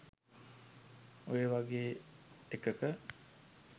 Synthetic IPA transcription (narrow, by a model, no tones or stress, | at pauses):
ujeʋaɡeːekəkə